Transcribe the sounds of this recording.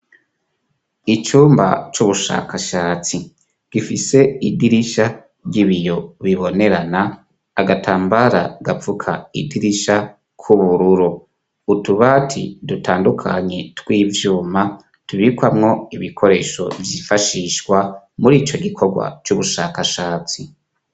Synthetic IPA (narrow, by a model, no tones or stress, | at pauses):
it͡ʃuːmba̰t͡ʃuβuʃa̰kʰaʃaːt͡si | ɡ̥ifise̞idiɾiʃa | ɟiβijo̞βiβo̞ne̞ɾanaː | ɡatʰaːmbaɾaɡafukʰaidiɾiʃa | kʰuβuɾuɾo | utuβatʰḭdutʰaːndukʰa̰ɲe̞twiːvjuːma | tuβikwamŋo̞iβikʰo̞ɾe̞ːʃo̞̰vjiːfaʃiːʃɡwa | muɾiːt͡ʃo̞ɡikʰo̞ɡwa̰t͡ʃuβuʃakaʃaːt͡si